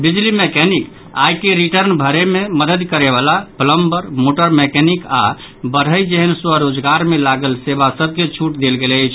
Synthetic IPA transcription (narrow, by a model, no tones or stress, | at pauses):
bid͡ʒlimekɛnik | a̰jkeɾiʈəɾnbʱəɾememəd̪əd̪kəɾeβalapələmbəɾmoʈəɾmekɛnika̰ | bəɽ̤əjd͡ʒeɦənswəɾod͡ʒɡaɾmelaɡəlsebasəb̚ʱket͡ʃʰuʈd̪elɡelət͡ʃʰ